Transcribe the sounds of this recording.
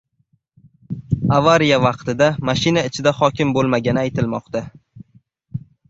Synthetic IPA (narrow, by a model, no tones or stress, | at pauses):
avaɾijavɑqt̪ɪd̪amaʃɪnaɪt͡ʃʰɪd̪ahɒkʲɪmbolˠmaɡʲanɪajt̪ɪlmɒqt̪a